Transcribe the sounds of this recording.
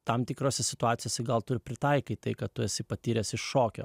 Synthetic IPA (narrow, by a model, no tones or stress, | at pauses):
t̪ɐmt̪ʲɪkɾoːsʲɛsʲɪt̪ʊɑːt̪ʲɪjoːsʲɪɡɐlˠt̪ʊɾʲɪpʲɾʲɪt̪ɐɪkɐɪt̪ɐɪkɐt̪̚t̪ʊjɛsʲɐɪpɐt̪ʲiːɾʲeːsɪʃʃoːkʲo̰ː